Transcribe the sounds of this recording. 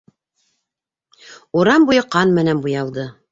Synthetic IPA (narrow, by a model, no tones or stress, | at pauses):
uɾɑmbujɤqɑnmɘ̆nænbujɑlˠd̪ɤ